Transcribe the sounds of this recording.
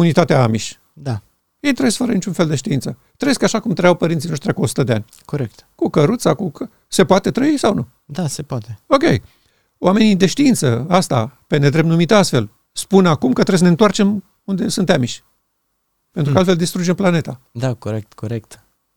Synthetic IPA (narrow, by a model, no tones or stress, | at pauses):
unit̪at̪eaamiʃʲ | d̪a | je̞jt̪ɾəjeskfəɾənit͡ʃunfe̞ld̪e̞ʃt̪iint̪sə | t̪ɾəejeskaʃakumt̪ɾəjawpəɾint̪ino̞ʃt̪ɾʲakuo̞su̥t̪əd̪ea̰nʲ | koɾekt̪kukəɾut̪sakukə | se̞poat̪et̪ɾəisawnu | d̪asepoat̪eo̞kʲe̞̰j | oʔame̞nid̪e̞ʃt̪iint̪səast̪a̰pe̞ne̞d̪ɾe̞pnumit̪əast̪fe̞l | spunakumkət̪ɾes̬ənent̪art͡ʃe̞m | und̪e̞sɨnt̪amiʃʲ | peɾukalt̪feld̪ist̪ɾud͡ʒemplane̞t̪a | d̪akoɾek̚t̪koɾekt̪